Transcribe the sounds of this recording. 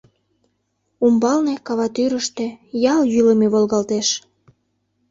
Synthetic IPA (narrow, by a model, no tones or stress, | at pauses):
umbɑlnekɑβɑt̪yɾəʃt̪ĕjɑljyləmeβolɣɑlt̪eʃ